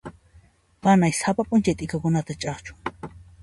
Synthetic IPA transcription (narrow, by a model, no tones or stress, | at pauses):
manajsapapʼʊnt͡ʃajt̪ʼɪkakʊnat̪at͡ʃʼɑχt͡ʃʊ̥